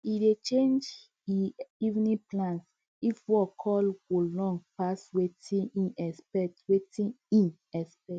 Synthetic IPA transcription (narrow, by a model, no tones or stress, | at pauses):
idet͡ʃẽnd͡ʒ | iivnĩplãns | ifwɔkʰɔlwulɔ̃ŋɡpaswetʰĩĩnɛspɛtwetĩ | ĩn | ɛspɛt